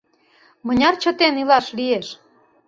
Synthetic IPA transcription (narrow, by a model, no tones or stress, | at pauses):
mə̆nʲɑrt͡ɕə̆t̪enilɑʃlieʃ